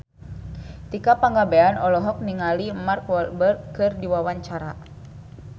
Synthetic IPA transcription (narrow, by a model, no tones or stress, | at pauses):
t̪ikapaŋɡabeanɔlɔɦɔk̚niŋalimarkwɔlbərkɨrdiwawaɲt͡ʃaɾa